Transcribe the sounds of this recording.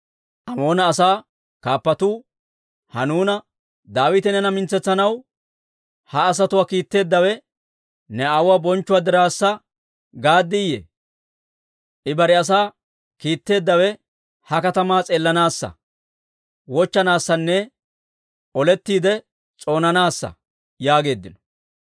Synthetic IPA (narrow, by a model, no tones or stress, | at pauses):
ʔɐmo̞ːnɐːsaː | kaːpːɐt̪uː | hɐnuːnɐ | d̪aːwɪt̪ɛnɛnɐmɪnt͡sːɛt͡sːɐnɐw | hɐːs̬ɐt̪ʊwaːkiːt̪ːe̞ːd̪ːɐwɛ | nɛɐwwaːbɔnt͡ʃːʊwaːd̪ɪɾaːsːɐ | ɡaːd̪ːɪjḛ | ʔɪbɐɾɪɐs̬aː | kiːt̪ːe̞ːd̪ːɐwɛ | hɐkɐt̪ɐmaːt͡sʼeːlːɐnaːsːɐ̰ | wɔt͡ʃːɐnaːsːɐnːɛ | ʔɔlɛt̪ːiːd̪ɛ | t͡sʼo̞ːnɐnaːsːɐ̰ | jaːɡe̞ːd̪ːɪnɔ̥